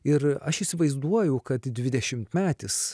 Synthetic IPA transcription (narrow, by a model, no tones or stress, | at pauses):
ɪɾɐʃisʲɪʋɐɪzd̪uɔjɛʊkɐt̪d̪ʲʋʲɪd̪ʲɛʃʲɪmt̪mʲæːt̪ʲɪs